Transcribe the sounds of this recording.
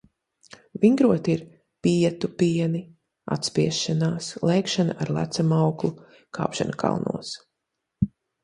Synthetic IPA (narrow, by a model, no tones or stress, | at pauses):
viŋɡɾuɔt̪iɾ | piɛt̪upiɛni | a̰t̪spiɛsʃanaːslˠɛjkʃanaʔaɾlˠæ̰t̪samawklˠu | kʰɑ̰ːpʃa̰nkʰa̰lˠnṵɔs